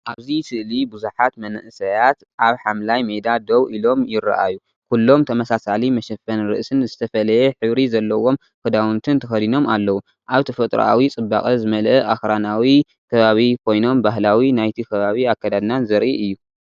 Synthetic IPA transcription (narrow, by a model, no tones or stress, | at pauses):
ʔaβzisɨʔlibuzuħat̪mɐnɨ̰ʔsɐjat̪ | ʔaβħamlajmed̪ad̪owʔilo̞mjɪɾːa̰ʔa̰ju | kʰulːo̞mt̪ʰɐmɐsasalimɐʃɐfɐnɾɨ̰ʔsɨnzɨt̪ʰɐfɐlɐjeħɨβɾizɐlːɐwo̞m | kɨd̪awunt̪ʰɨnt̪ʰɐxɐd̪ino̞malːɐwu | ʔaβt̪ʰɐfɐt̪ʼɾ̰ʔa̰wit͡sʼɨbːa̰kʼɐzɨmɐlʔɐʔaxɾanawi | kʰɐβaβikʰo̞jno̞mbaɦlawinajt̪ʰikʰɐβaβiakːad̪ad̪nanzɐɾʔiʔɨjːu